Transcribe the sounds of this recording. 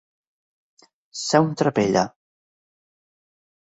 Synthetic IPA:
sɛwnt̪ɾapeʎa̰

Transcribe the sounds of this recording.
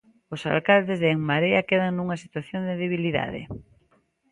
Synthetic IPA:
ʊsa̰lkald̪ɪzðeŋmaɾeakeðaŋnuŋasi̥t̪waθjond̪eðeβ̞iliða̰ðḛ

